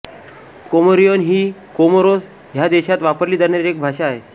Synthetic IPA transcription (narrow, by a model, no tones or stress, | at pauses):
komoɾijonɦiːkomoɾos | ɦjad̪eɕat̪ʋapəɾliːd̪əɾɳaɾiɾek̚bʱaɕaːɦe